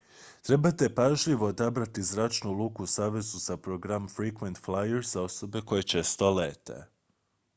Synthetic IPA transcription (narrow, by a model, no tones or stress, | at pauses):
t̪ɾe̞bat̪e̞paʒʎiʋo̞ːd̪abɾat̪izɾat͡ʃnulˠuːkusaːʋe̞zuz̥apɾoɡɾamfɾikʋent̪flajeɾz̥ao̞so̞be̞ko̞je̞t͡ʃe̞st̪o̞le̞ːt̪e̞̰